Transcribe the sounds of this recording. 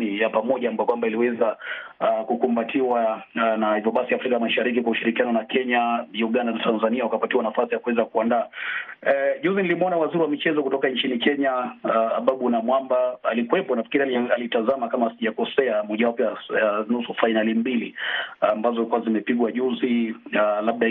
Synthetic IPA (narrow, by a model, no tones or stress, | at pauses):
nijapamɔʄambakwambailiwɛza | kukumbatiwanahivjɔɓasiafɾikamaʃaɾik̬ikwauʃiɾikianɔnakɛɲauɠandanatanzaniawakapatiwanafasijakuwɛzakuandaː | ʄuzinilimɔnawaziɾiwamit͡ʃɛzɔkutɔkant͡ʃinikɛɲa̰ːɓaɓunamwambaalikuwɛpɔnafi̥kiɾiaalitazamakamasiʄakɔsɛamɔʄawapɛanusufainalimbiliambazɔikuazimɛpiɠwaʄuzilaɓ̚ɗa